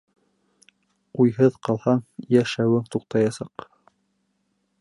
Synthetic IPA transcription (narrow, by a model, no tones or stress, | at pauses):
ujɦɤðqɑlˠhɑɴjæʃæwɘŋt̪uqt̪ɑjɑsɑq